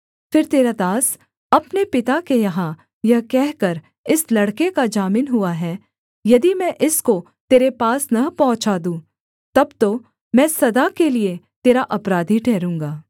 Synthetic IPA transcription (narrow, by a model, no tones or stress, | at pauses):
fɪɾt̪eːɾad̪aːs | ɐpnepɪt̪akejɐɦã | jɐkɛɦkɐɾ | ɪslɐɽkekad͡ʒaːmɪnɦʊaɦɛː | jɐd̪imɛ̃ːʔɪsko | t̪eːɾepaːsnɐpɐɦʊ̃t͡ʃaːd̪ũː | t̪ɐbt̪o | mɛ̃ːsɐd̪akelie | t̪eːɾaʔɐpɾaːd̪ʱiʈʰɛːɾũːŋɡaː